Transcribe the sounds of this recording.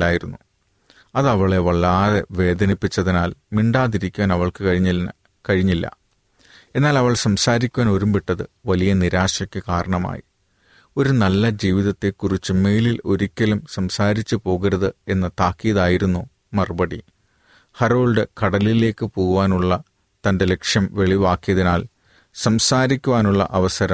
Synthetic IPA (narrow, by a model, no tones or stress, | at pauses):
aːjiɾunːu | ɐðɐʋɐɭeʋɐɭːaːðeʋe̞ːd̪ɐnipːit͡ɕːɐðinaːlmiɳɖaːðiɾikʲːuʋaːnɐʋɐɭkɨɐɻii | kɐɻiɲːilːɐ̰ | e̞nːaːlɐʋɐɭsɐmsaːɾikʲːuʋaːno̞ɾumbiʈːɐðɨʋɐlijɐniɾaːʂɐkʲːɨkaːɾɐɳɐma̰ːjḭ | o̞ɾunɐlːɐd͡ʑiːʋiðɐt̪ːe̞kːurit͡ɕːɨme̞jlilo̞ɾikʲːɐlumsɐmsaːɾit͡ɕːɨpo̞ːɣiɾɐðɨe̞nːɨt̪aːkːijɐðaːjiɾunːu | mɐrɨbɐɽi | hɐroːlɖɨkɐɽɐlile̞ːkːɨpo̞ːɣuʋaːnuɭːɐ | t̪ɐnde̞le̞kʂjɐmʋe̞ɭiʋaːkːijɐðinaːl | sɐmsaːɾikʲːuʋaːnuɭːɐ̰ʔɐʋɐsɐɾɐm